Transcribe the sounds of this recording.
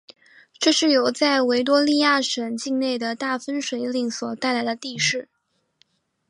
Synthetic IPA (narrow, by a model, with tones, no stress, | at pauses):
ʈ͡ʂɤ˥˧ʂɻ̩˥˩jo˨˩ʊt͡sa˥˩ɪwe˧˥ɪt̪̬wɔ˥li˥˧ja˥˩ʂə˨˩nt͡ɕi˥˧ŋne˥˩ɪd̪ə˩t̪a˥˩fə˥nʂwe˧˥ɪli˥˩ŋswɔ˨˩t̪a˥˩ɪla˧˥ɪd̪ə˧t̪i˥˧ʂɻ̩˥˩